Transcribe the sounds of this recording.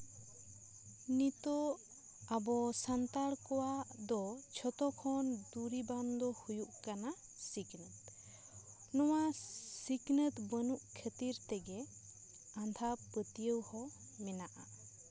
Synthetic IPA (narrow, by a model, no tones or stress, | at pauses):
nit̪ɔ | abɔsant̪aɽkɔwad̪ɔt͡ʃʰɔt̪ɔkʰɔnd̪uɾiband̪ɔhujuʔkana | siɡnət̪̚ | nɔwasiɡnət̪bənuʔkʰət̪iɾt̪ɛɡɛ | and̪ʰʱapət̪ijəwhɔ | mɛnaʔa